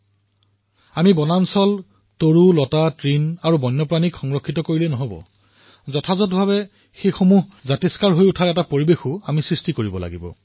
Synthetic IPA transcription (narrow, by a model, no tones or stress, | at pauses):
amibɔnansɔl | toɹulɔtatɹinaɹubɔnːɔpɹanikxɔŋɹɔkʰːitɔkoɹilɛnɔɦobɔ̰ | zɔtʰazɔt̬bʱabɛ | xejxomuɦzatiskaɹɦojutʰaɹɛtapoɹibexuamisɹistikoɹibɔla̰ɡibɔ̰